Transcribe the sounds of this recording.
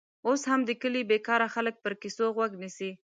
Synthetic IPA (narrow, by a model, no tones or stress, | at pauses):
oshamd̪əkəlibekɑɾaxalək̚pəɾkisoɣwaɡnisi